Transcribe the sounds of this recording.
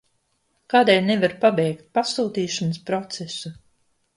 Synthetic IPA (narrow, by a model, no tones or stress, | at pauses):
kaːd̪ɛlʲnevaɾpabɛjkt̪̚pasuːt̪iːʃanspɾɔt̪sɛsu